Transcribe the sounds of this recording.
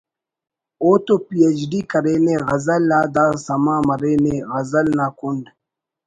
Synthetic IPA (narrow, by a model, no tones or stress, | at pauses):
oːt̪opiet͡ʃɖiːkɐɾeːnẽɣɐzəlːaːd̪aːsɐmãːmɐɾeːneɣɐzəlnaːkuɳɖ